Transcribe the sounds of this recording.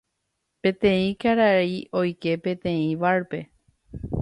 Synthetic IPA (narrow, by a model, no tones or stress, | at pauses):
pẽ̞t̪ẽĩkaɾaio̞jke̞pẽ̞t̪ẽ̞ĩʋaɾpe̞